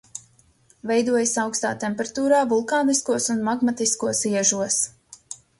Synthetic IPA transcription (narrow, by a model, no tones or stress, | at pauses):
vɛjd̪uɔjasawkst̪a̰ːt̪ɛmpɛɾat̪uːɾaːvulˠkaːniskuɔsunmaɡmat̪iskuɔsiɛʒuɔs